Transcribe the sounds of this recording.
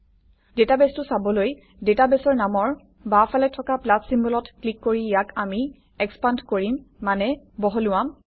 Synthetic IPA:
detabɛstʊsabɔloj | detabɛsɔɹnamɔɹ | bapʰalɛtʰɔkaplatʰsimbɔlɔtklikːoɹijakami | ɛkspandkoɹimːanɛ | bɔɦɔlʊwam

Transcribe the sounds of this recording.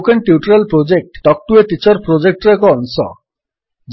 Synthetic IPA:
kenʈ̪iuʈɾelpɾod͡ʑek̚ʈːɔk̚ʈuet̪it͡ɕoɾpɾod͡ʑek̚ʈɾekɔnsɔ̰ | d͡ʑ

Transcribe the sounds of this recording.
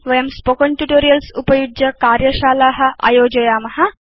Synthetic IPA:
ʋɐjɐmspokɐɳʈjuʈoːɾijɐlsupɐjud͡ʒjɐkaːɾjɐʃaːlaːɦɐ̆ʔɐ̰joːd͡ʒɐjaːmɐɦɐ̆

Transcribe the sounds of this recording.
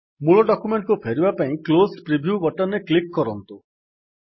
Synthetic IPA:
muɭɔɖɔkumeɳʈkupʰeɾibapaĩklospɾibʱjubɔʈɔneklikːɔɾɔnt̪u

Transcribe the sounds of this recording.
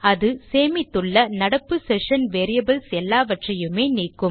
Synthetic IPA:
ɐðɯseːmɪt̪ːɯɭːɐnɐɽɐpːɯsɛʂɐnʋeːɾɪjɐbɐlsɛlːaːʋɐʈrɐjɯmeːniːkːɯm

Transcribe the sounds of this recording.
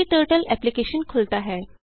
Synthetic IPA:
itəɾʈəlɛplikeɕənkʰolt̪aɦɛ

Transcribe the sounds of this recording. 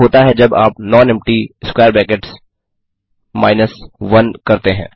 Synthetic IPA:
ɦoːt̪aɦɛd͡ʒɐbaːpnɔ̃ːnɛ̃mp̚ʈiskwɛːɾbɛ̃ːkeʈs | maːɪnəsʋɐnkɐɾt̪eɦɛ̰̃ː

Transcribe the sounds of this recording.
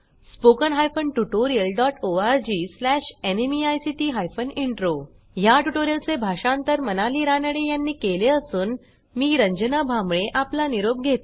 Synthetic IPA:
spokənɦajfənʈuʈoɾijəlɖɔʈoaɾd͡ʑiːslæɕenemiajsiʈiːɦajfəniɳʈɾo | jaʈuʈoɾijəlt͡sebʱaɕãnt̪əɾmənaliːɾanəɽejanːiːkeleəsuːn | miːɾəɲd͡ʑənabʱamɭeʔaplaniɾob̚ɡʱet̪

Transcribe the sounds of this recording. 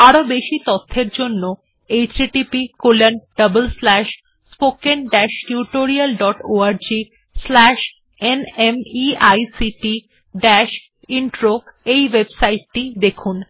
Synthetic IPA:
aɾobeʃit̪ɔt̪ʰːeɾd͡ʑonːo | ejtɾiʈipikolenɖəbəlslɛʃ | spokenɖɛʃʈjuʈoɾialɖɔʈoaɾd͡ʑi | slɛʃ | enemiajsiʈi | ɖɛʃ | iɳʈɾoejwebsajʈːid̪ekʰun

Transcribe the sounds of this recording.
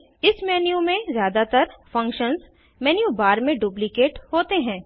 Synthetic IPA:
ɪsmɛːnijumẽzjaːd̪at̪əɾfɐ̃ŋkʃənz | mɛːnijubaːɾmẽɖuːplikeːʈhoːt̪eɦɛ̃ː

